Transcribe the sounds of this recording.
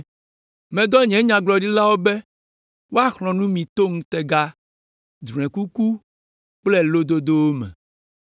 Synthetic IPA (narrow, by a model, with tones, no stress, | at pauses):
mɛ̃˨d̪ɔ˦ɲɛ̃˨˦ɲã˨ɡ͡blɔ˨ɖi˦la˦wo˦be˦ | wo˦a˦xlɔ̃˨nũ˦mĩ˨t̪o˦ŋũ˦t̪ɛ˨ɡa˦ | d͡ʒ̃ɛ̃˨ku˦ku˦ | k͡plɛ˦lo˦d̪o˦d̪o˦wo˦mɛ̰̃˨